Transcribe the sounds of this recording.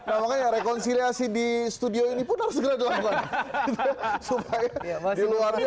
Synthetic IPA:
namakajaɾekɔnsiliasidist̪udioinipʊnhaɾʊsɡəɾad͡ʒaanukanɡit̪supajadiluarɲ

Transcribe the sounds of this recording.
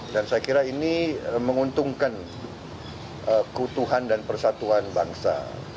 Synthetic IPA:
dansajakiɾainiəməŋunt̪uŋkan | əkəut̪uɦandanpərsat̪uanbaŋsa̰

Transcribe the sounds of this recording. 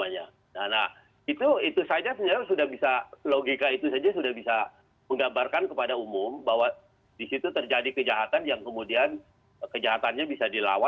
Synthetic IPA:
aɲa̰ | nanah | it̪uit̪usad͡ʒasəɲaɾsudahbisaloɡikait̪usad͡ʒasudahbisa | məŋɡabarkankəpadaumʊmbaɦwa | disit̪ut̪ərd͡ʒadikəd͡ʒaɦat̪anjaŋkəmudian | kəd͡ʒaɦat̪anɲabisadila̰wa

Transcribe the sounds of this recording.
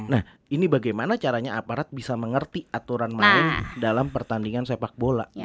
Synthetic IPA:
nah | inibaɡajmanat͡ʃaɾaɲaapaɾat̪̚bisaməŋərt̪iat̪uɾanmaɪndalampərt̪andiŋansepak̚bola̰ʔ

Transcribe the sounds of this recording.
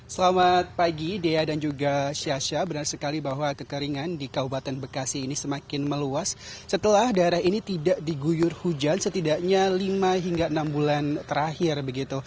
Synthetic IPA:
səlamat̪̚paɡideadand͡ʒuɡaʃiaʃabənarsəkalibaɦwakəkəɾiŋandikaubat̪anbəkasiːnisəmakɪnməluasːət̪əlahdaeɾahinit̪idaʔdiɡujʊrhud͡ʒansət̪idaʔɲalimaɦiŋɡaənambulant̪əɾahɪrbəɡit̪u

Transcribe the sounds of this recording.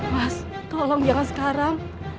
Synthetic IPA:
wast̪ɔlɔŋd͡ʒaŋansə̥kaɾaŋ

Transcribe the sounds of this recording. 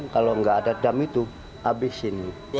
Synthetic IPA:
nkaloəŋɡaːdadamit̪u | ʔabɪsini

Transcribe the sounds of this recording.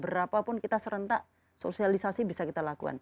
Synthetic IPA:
bəɾapapʊnkit̪asəɾənt̪a | so̰sialisasibisakit̪alakua̰n

